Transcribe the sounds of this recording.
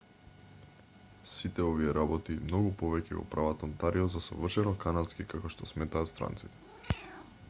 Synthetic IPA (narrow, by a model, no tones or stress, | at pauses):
sit̪ɛɔviɛɾabɔt̪imnɔɡupɔvɛcɛ̰ɡɔ̰pɾavat̪ɔnt̪aɾiɔzasɔ̰vr̩ʃɛnɔkanalskikakɔʃt̪ɔsmɛt̪aːt̪st̪ɾa̰nt̪sit̪ɛ̥